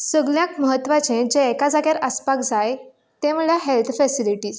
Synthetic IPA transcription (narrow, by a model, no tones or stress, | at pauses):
səɡljãkməɦət̪ːʋat͡ɕẽd͡ʑeːkad͡zaɡjaɾəspakd͡zaj | t̪eməɭjaɦelt̪ʰfɛsiliʈiːs